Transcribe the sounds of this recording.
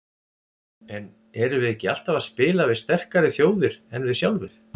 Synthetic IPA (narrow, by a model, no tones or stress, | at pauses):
ɛn | ɛɾʏvɪðɛhcːɪal̥t̪avaðspɪːlavɪðst̪ɛr̥kaɾɪθjoːwðɪɾɛnvɪðsjawlvɪɾ